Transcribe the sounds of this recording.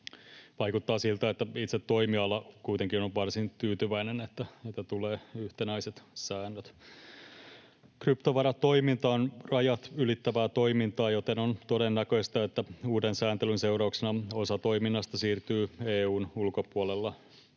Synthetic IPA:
ʋɑikut̪ːɑːsilt̪æet̪ːæit̪set̪ːoimiɑlːɑkuit̪eŋkinoʋʋɑrsint̪yːt̪yʋæinenet̪ːæet̪ːæt̪uleːyht̪enæiset̪sæːnːøt̪ | krypt̪oʋɑɾɑt̪toimint̪ɑːnrɑjɑt̪ylit̪ːæʋæːt̪oimint̪ɑːjot̪enont̪odenːækøst̪ɑet̪ːæuːdensæːnt̪elynseurɑuksenɑosɑt̪oiminːɑst̪ɑsiːrt̪yːeːuːnulkopuolelːɑ

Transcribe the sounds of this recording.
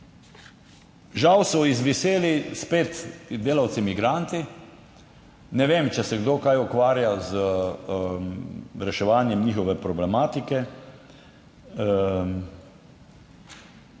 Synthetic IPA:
ʒawsɔizʋiseːlispeːt̪d̪eːlawt̪simiɡɾaːnt̪i | nɛʋeːmt͡ʃɛsɛɡd̪oːkajukʋaːɾjaz | ɾɛʃɛʋaːnjɛmniːxɔʋɛpɾɔblɛmaːt̪ikɛ

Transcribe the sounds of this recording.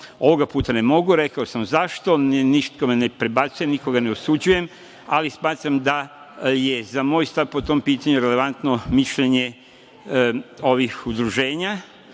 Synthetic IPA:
o̞ʋo̞ɡapuːt̪ane̞mo̞ɡuɾe̞kaosamzaʃt̪o̞nniʃt̪komene̞pɾebat̪sujemniko̞ɡane̞osud͡ʑuje̞m | alismaːt̪ɾamd̪a | je̞zamoːjst̪aʋpo̞t̪o̞mpiːt̪aɲuɾe̞le̞ʋant̪no̞miʃʎeɲe̞ | o̞ʋixud̪ɾuʒe̞ːɲa

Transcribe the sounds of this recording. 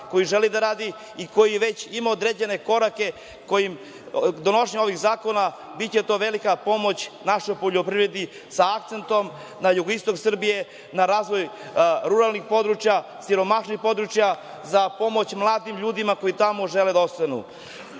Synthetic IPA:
ko̞jiʒe̞lid̪aɾaːd̪i | iko̞jiʋe̞t͡ɕimaod̪ɾed͡ʑe̞ne̞ko̞ɾake̞ | ko̞jim | d̪o̞no̞ʃeɲo̞ʋiɣzaːko̞na | bitt͡ɕe̞t̪o̞ːʋe̞likapo̞mo̞t͡ɕnaʃo̞jpoʎopɾivɾed̪i | saːkt̪se̞nt̪o̞m | najuɡoist̪o̞ksr̩bije̞ | naɾaːzʋo̞j | ɾuɾalˠnixpo̞d̪ɾut͡ʃjasiɾo̞maʃnixpo̞d̪ɾut͡ʃja | zapo̞mo̞t͡ɕmlˠaːd̪imʎuːd̪imako̞jit̪amo̞ʒe̞led̪aost̪anṵ

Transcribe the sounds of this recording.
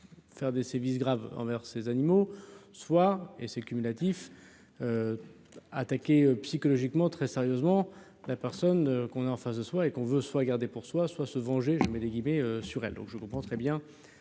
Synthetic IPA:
fɛʁd̪esɛʁvis̬ɡʁavɑ̰̃vɛʁsezanimoswaesekʲymylat̪if | ø | a̰t̪akʲeøpsikɔlɔʒikmɑ̃t̪χɛseʁjøzmɑ̃ | lapɛʁsɔnøkɔ̃naɑ̃fasd̪əswaekɔ̃vøswaɡaʁd̪epuʁswaswasəvɑ̃ʒeʒəmɛd̪eɡʲimeøsyʁɛ̰ld̪ɔ̃kʒəkɔ̃pχɑ̃t̪χɛbjɛ̃

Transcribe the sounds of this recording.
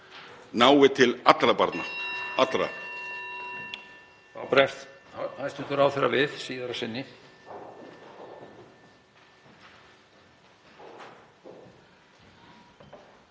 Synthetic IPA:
naːwɪt̪ʰɪlat̪lɾapaɾt̪na̰at̪lɾa̰ | pɾɛst̪ | ajst̪ʏt̪ʏɾawθɛɾːa̰vɪð̥siːðaɾasɪnːɪ

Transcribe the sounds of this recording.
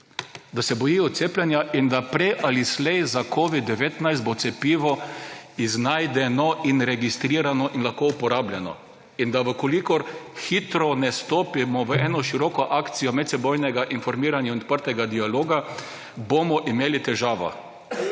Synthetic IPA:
d̪asɛbɔjijɔt̪t̪seːplʲɛnjaʔind̪apɾɛjʔalislɛjzakʰoʋid̪d̪ːɛʋeːt̪najst̪bot̪sɛpiːʋɔiznajd̪ɛnɔinɾɛɡist̪ɾiːɾanɔʔinlaxkoupɔɾablʲjɛnɔ̰ | ind̪aʋəkɔlikɔɾxit̪ɾɔnɛst̪oːpimɔʋəɛːnɔʃiɾɔkɔʔaːkt̪sijɔmɛt̪sɛbɔjnɛɡaʔinfɔɾmiːɾanjaɔnt̪̚pəɾt̪ɛɡad̪ialoːɡa | bomɔʔimeːlit̪ɛʒaːʋa̰

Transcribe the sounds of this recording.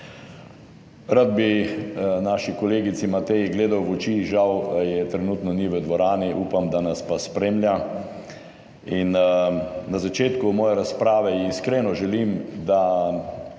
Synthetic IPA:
ɾad̪̚bi | naːʃikɔleːɡit̪simat̪ɛjiɡleːd̪awʋɔt͡ʃiʒawjɛt̪ɾɛnuːt̪nɔniʋəd̪ʋɔɾaːniʔuːpamd̪anaspaspɾemlʲja | in | nazat͡ʃeːt̪kumɔːjɛɾaspɾaːʋɛiskɾeːnɔʒɛlimd̪a

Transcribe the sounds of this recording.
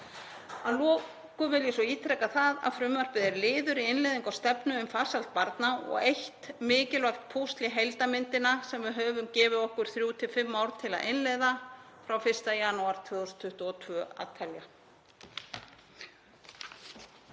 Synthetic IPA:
alɔː | kʏvɪljɪsɔiːt̪ʰɾɛkaθaða̰ðfɾʏmvar̥pɪðɛɾlɪːðʏɾiɪnlɛjðiŋkawst̪ɛpnʏʏmfaːsal̥t̪̚paɾt̪naɔ̰ɣejht̪mɪːcɪlvakt̪̚pʰowst̪lɪɦejlt̪amɪnt̪ɪnasɛmvɪðɦœːvʏmcɛːvɪɔhkʏɾ̥θɾjuːt̪ʰɪfɪmːaːwɾt̪ʰɪla̰ʔɪnlɛðafɾawfɪr̥st̪ajanuaɾ̥t̪ʰvɪːðɔst̪ʰʏht̪ɔt̪ʰvœa̰ːt̪ʰalja

